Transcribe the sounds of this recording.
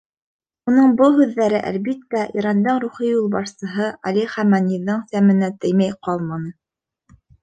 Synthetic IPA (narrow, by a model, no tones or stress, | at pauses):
unɤɴbɤlˠɦʉðːæɾɘʔæ̰lbit̪ːæʔiɾɑnd̪ɤɴɾuχijulˠβɑʃsɤ̆ɦɤʔɑliχæmɑniðːɤɴsæmɘ̆næt̪ɘ̆jmæjqɑlˠmɑnɤ